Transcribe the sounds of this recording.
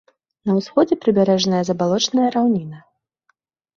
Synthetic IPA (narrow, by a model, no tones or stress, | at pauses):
nɐwsxɔd͡zʲɛpɾɨbʲaɾɛʐnɐjɐzɐbalˠɔt͡ʂnɐjɐɾawnʲinɐ